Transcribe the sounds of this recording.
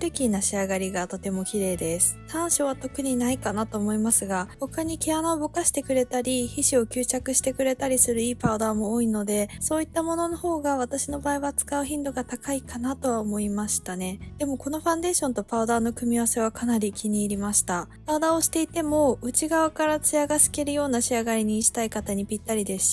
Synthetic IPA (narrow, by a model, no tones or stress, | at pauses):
ɾɯ̟kʲinaɕiaɡaɾʲiɡat̪o̞t̪e̞mo̞kʲiɾe̞ːd̪e̞sɨ̥t̪ãɰ̃ɕo̞βat̪o̞kɯ̟ɲ̟inaikanat̪o̞ːmo̞imasɨɡaho̞kaɲ̟ikʲe̞anaobokaɕi̥t̪e̞kɯ̟ɾe̞t̪aɾʲiçiɕio̞kʲɨːt͡ɕakɯ̟ɕi̥t̪e̞kɯ̟ɾe̞t̪aɾʲisɨɾɯ̟iːpaɯd̪aːmo̞ːino̞d̪e̞so̞ːit̪ːamo̞no̞no̞ho̞ːɡaβ̞at̪aɕino̞baːiβat͡sɨ̥kaɯ̟çʲĩnd̪o̞ɡat̪akaikanat̪o̞βaomo̞imaɕi̥t̪ane̞d̪̥e̞mo̞ko̞no̞ɸãnd̪e̞ːɕõ̞nt̪o̞paɯd̪aːno̞kɯ̟mʲiβase̞β̞akʰanaɾʲikʲiɲ̟iːɾʲimaɕi̥t̪apaɯ̟d̪ao̞ɕi̥t̪e̞it̪e̞mo̞ɯ̟t͡ɕiɡaβakaɾat͡sɨjaɡasɨ̥ke̞ɾɯ̟jo̞ːnaɕiaɡaɾʲiɲ̟iːʑi̥t̪aikat̪aɲ̟ipʲit̪ːaɾʲid̪e̞sɨ̥